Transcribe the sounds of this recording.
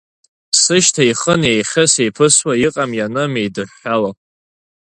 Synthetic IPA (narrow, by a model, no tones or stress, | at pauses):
sɨʃtʰaiχənejχʲɪsejpʰɨswaiqʼamjanɨmejdɨħːala